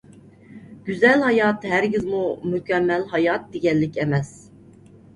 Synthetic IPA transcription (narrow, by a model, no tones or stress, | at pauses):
ɡ̥ʲyzɛlhɑjɑt̪ɦæɾɡʲizmumykʲɛmːɛlhɑjɑt̪̚d̪eɡʲɛlːɪkʲʰɛmɛs